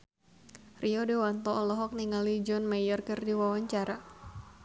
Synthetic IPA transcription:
rʔiɔdɛwant̪ɔɔlɔɦɔk̚niŋalid͡ʒɔnmajɔrkɨrdiwawaɲt͡ʃaɾa

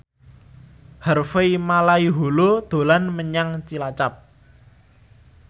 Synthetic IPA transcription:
hərfeimalaiɦolod̪̥o̤lanməɲaŋt͡ʃilat͡ʃap̚

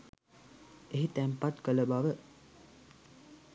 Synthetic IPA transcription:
eɦit̪æmpat̪kələbaʋə

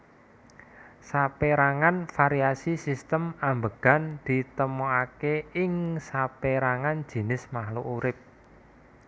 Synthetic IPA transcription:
sapeɾaŋanfaɾiasisist̪əmambəɡ̥a̤nd̪̥i̤t̪əmoakeɪŋsapeɾaŋand̥d͡ʒ̥i̤nɪsmahloʔuɾɪp̚

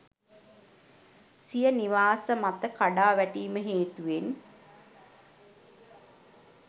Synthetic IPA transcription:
sijəniʋaːsəmat̪əkaɖaːʋæʈiːməɦeːt̪uʋen

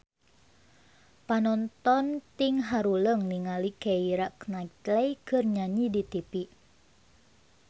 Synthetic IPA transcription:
panɔnt̪ɔnt̪iŋɦaɾuləŋniŋalikɛiɾaknait̪lɛjkɨrɲaɲidit̪ipiʔ

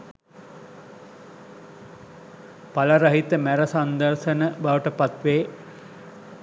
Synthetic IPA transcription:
paləɾəɦit̪əmæɾəsand̪ərʃənəbaʋəʈəpat̪ʋeː

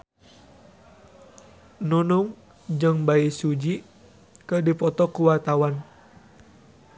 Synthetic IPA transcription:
nunuŋ | d͡ʒɨŋbaisud͡ʒi | kədipɔt̪ɔkuwat̪awan

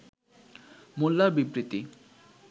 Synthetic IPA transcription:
mulːabibɾit̪i

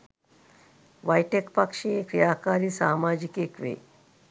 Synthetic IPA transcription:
ʋajʈekpakʂekɾijaːkaɾiːsaːmad͡ʑikekʋḛː

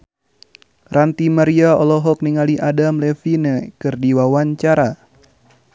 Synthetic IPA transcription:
rant̪imaɾiaɔlɔɦɔk̚niŋaliʔadamlɛfinɛkɨrdiwawaɲt͡ʃaɾa

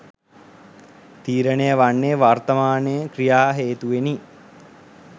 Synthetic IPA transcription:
t̪iːɾənejəʋanːejəʋart̪ɐmaːnejəkɾijaːɦeːt̪uʋeni

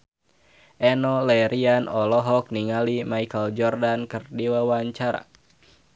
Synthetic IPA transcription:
ʔɛnɔlɛɾianɔlɔɦɔk̚niŋalimaikəld͡ʒɔrdankɨrdiwawaɲt͡ʃaɾa̰

